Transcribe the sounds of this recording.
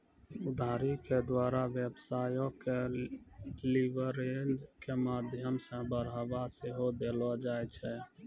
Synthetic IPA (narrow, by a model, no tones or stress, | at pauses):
ʊd̪ʱaːɾiked̪waːɾaʋjebsaːjõke | liʋəɾend͡ʒkemaːd̪ʱjəmsẽbəɾaːbaseɦod̪eːlɔd͡ʒaːjt͡ʃʰɛ